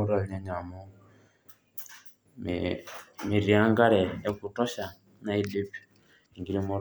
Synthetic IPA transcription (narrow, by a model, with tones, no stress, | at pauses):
u˦ɾɔ˦˨ɲe˦ɲa˨mu˦ | mi˨ɾi˨a˦ŋɡa˦ɾɛ˨e˦ku˨tɔ˦ʃa˨ | na˦i˦di˦pi̥˨ | ŋɡi˨ɾi˦mu˦ɾ